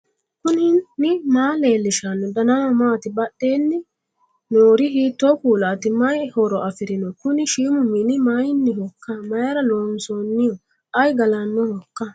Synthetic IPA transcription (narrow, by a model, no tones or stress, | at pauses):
kʊnɪnːɪmaːleːlːɪʃanːɔd̪ɐnamɐmaːt̪ɪbɐɗːeːnːɪ | noːɾɪɦiːt̪ːɔkuːlaːt̪ɪmɐjhɔɾɔʔɐfɪɾɪnɔkʊnɪʃiːmʊmːɪnɪmajɪnːɪhɔkːɐmɐjɐɾɐloːnsɔːnːɪjɔ | ɐjɡɐlɐnːɔhɔkːɐ